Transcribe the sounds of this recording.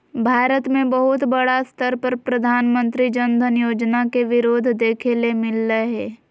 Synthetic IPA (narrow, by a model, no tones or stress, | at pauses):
bʱaːɾət̪mẽbəɦʊt̪bəɽast̪əɾpəɾpɾɐd̪ʱaːnmə̃nt̪ɾid͡ʒənd̪ʱənjoːd͡ʒnakeʋɪɾoːd̪ʱd̪eːkʰelemɪlːəɦɛː